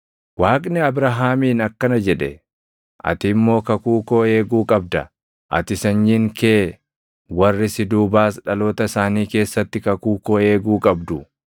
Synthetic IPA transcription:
waːkʼnɛɐbɾɐɦaːmiːnɐkːɐnɐd͡ʒɛᶑɛ | ʔɐ̰t̪ɪmːo̞ːkɐkuːko̞ːe̞ːɡuːkʼɐb̚d̪ɐ | ʔɐ̰t̪ɪsɐɲːiːŋkeː | wɐrːɪsɪd̪uːbaːsᶑɐlo̞ːt̪ɐsaːniːke̞ːsːɐt̪ːɪkɐkuːkoːe̞ːɡuːkʼɐbd̪ʊ

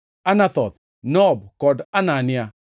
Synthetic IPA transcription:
anat̪ɔt̪ | nɔbkɔdananɪa

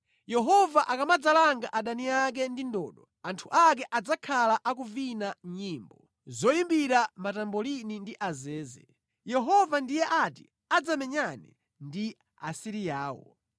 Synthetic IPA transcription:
jɛɦɔvaʔakamad͡zalaŋɡaʔaɗaniak̬ɛndindɔːɗɔ | antʰuʔak̬ɛʔad͡zakʰalaʔakuvinaɲiːmbɔ | zɔjimbiɾamatambɔlinindiʔazɛːzɛ | jɛɦɔvandijɛʔatḭ | ad͡zamɛɲanɛ̰ | ndi | a̰siɾijaːwɔ̰

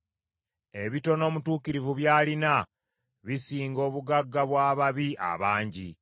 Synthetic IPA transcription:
e̞βito̞no̞ːmutuːkiɾivuβjaːlina | βisiːŋɡo̞ːβuɡaɡːaβwaːβaβiʔa̰βaːɲɟi

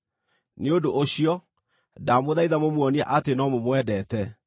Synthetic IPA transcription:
neodoʔoɕiɔ | damoðaiðamomwɔnia̰ʔatenɔmomwɛdɛtɛ

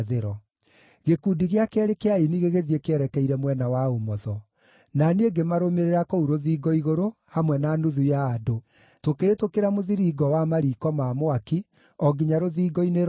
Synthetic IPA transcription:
ðeɾɔ | ɣekudiɣeakɛɾekeainiɣeɣeðiekeɛɾɛkɛiɾɛmwɛnawaomɔðɔ | naneeɡemaɾomeɾeɾakouɾoðiːɡɔiɣoɾohamwɛnanuðujaːdo | tokeɾetokeɾamoðiɾiɡɔwamaɾiːkɔmaːmoaki | ɔɡiɲaɾoðiːɡɔineɾ

